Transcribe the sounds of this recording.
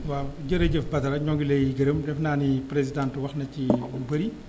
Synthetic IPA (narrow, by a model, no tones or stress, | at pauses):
waɟəɾɐɟəfbɐtɐɾɐɲɔŋɡilɛjiɡɐɾəmdɛfnaːnipɾezidãːntwɐxnɐcːiubɐɾi